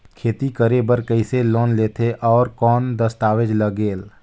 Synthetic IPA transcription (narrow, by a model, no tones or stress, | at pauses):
kʰeːt̪ikəɾebəɾkəɪseloːnleːt̪ʰeʔɔːɾkɔːnd̪əst̪aːʋed͡ʒləɡeːl